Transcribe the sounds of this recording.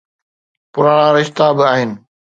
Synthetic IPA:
pʊɾaːɽ̃ãɾɪʃt̪abɪaːɦɪnɪ̆

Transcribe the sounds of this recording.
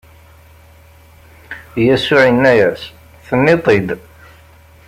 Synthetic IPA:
jæsʊʕinːæjæs | θənːit̪ˤid̪

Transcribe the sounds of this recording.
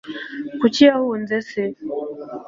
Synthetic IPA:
kut͡ʃiahuund͡zɛsɛ

